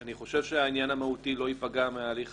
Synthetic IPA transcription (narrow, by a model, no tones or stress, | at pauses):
aniχo̞ʃe̞vʃeainjanamahutilo̞ipaɡameaːliχ